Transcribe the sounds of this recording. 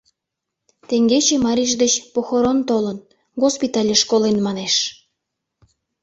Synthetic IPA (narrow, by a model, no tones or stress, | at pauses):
t̪eŋɡet͡ɕemɑɾʲiʒd̪ət͡ɕpoxoɾont̪olən | ɣospit̪ɑlʲeʃkolenmɑneʃ